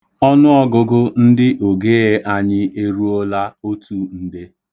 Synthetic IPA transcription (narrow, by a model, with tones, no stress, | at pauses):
ɔ˦nʊ˦ɔ˦ɡʊ˨ɡʊ˦n̩˦dɪ˦ʔo˨ɡe˦e˦ʔa˦ɲɪ˦e˦ɾu˦o˦la˦o˦tu˦n̩˦de˦